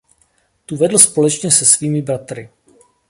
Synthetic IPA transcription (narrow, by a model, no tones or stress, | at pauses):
t̪uvɛdl̩spo̞lɛt͡ʃɲɛsɛsviːmɪbɾat̪ɾɪ